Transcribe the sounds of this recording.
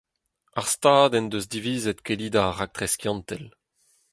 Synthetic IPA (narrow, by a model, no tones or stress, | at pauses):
aʁst̪aːd̪ɛnd̪øzd̪iviːzɛt̪keliːd̪aʁak̚t̪ʁɛskjɑ̃nt̪ɛl